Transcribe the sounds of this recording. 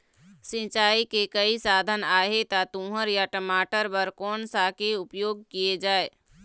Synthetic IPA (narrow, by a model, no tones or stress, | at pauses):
sɪ̃t͡ʃaːikekəisaːd̪ʱənaːɦet̪at̪ũːɦəɾjaʈəmaːʈəɾbəɾkɔːnsakeʊpjoːɡ̚kijed͡ʒaːe